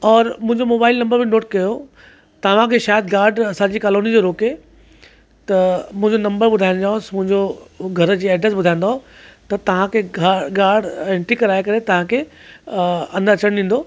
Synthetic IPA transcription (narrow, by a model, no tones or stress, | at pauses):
ɔːɾmʊ̃ɦɪ̃ɲd͡ʑomoːbaːɪlnɐ̃mbəɾbɪnoːʈ̚kɐjo | t̪ɐʋ̤ãkʰeːʃaːjəd̪̚ɡaːɾɖɐsãd͡ʑiːkaːloːnid͡ʑoɾoːke | t̪ɐmʊ̃ɦɪ̃ɲd͡ʑonɐ̃mbəɾɓʊd̪ʱaːɪ̃d͡ʑaːʊ̃smʊ̃ɦɪ̃ɲd͡ʑoɡʱɐɾd͡ʑiːɛːɖɾəsbʊd̪ʱaj̃n̆d̪aɦo | t̪ɐt̪ɐʋ̤ãkʰeɡaːɾɖẽːɳʈɾikɐɾaːekɐɾet̪ɐʋ̤ãkʰe | ɐ̃nd̪əɐt͡ɕəɽ̃ɗĩːn̆d̪oː